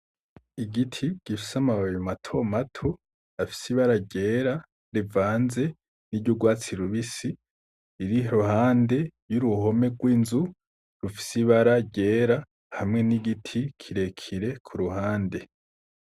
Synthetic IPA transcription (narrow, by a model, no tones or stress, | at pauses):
iɡitʰiɟ̥ifi̥samaβajomatʰo̞matʰo | afi̥siβaɾaɟe̞ːɾa | ɾivaːnze̞ | nidɟuɡwaːt͡siɾuβisi | iɾiɦohaːnde̞juɾuho̞me̞ɡwiːnzu | ɾufi̥siβaɾaɟe̞ːɾa | hamŋe̞niɡitʰikʰiɾe̞kʰiɾe̞kʰuɾuhaːnde̞